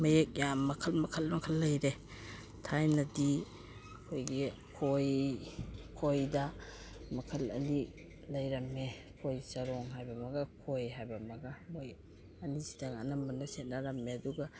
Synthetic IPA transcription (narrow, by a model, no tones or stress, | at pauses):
mɐjek̚jamːɐkʰɐlmɐkʰɐlmɐkʰɐlːɐjɾe | tʰajnɐdi | kʰojɡi | kʰoj | kʰojdɐ | mɐkʰɐlɐ̰ni | lɐjɾɐmːe | kʰojsɐɾɔŋɦajbɐmɐɡɐkʰojɦajbɐmɐɡɐmoj | ɐnizidaŋa̰nɐmɐnɐset̚naɾɐmːeɐduɡɐ